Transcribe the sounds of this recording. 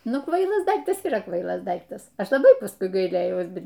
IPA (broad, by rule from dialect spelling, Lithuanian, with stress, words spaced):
ˈnʊ ˈkʋɐɪlˠɐs ˈdɐɪktɐs iːˈrɐ ˈkʋɐɪlˠɐs ˈdɐɪktɐs ˈɐʃ lˠɐˈbɐɪ pɐsˈkʊɪ ɡɐɪˈlʲeːjɛʊs ˈbʲɛt